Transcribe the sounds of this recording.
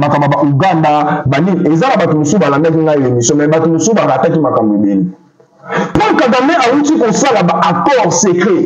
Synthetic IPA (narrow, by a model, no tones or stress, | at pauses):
makambabaʔuɡandabaniŋezanabatomosobalandak̬iŋɡaiemisjɔ̃mɛ̃batomosobakatakimakamboebeni | pukaɡamɛʔawutikosalabaʔakɔʁsekʁe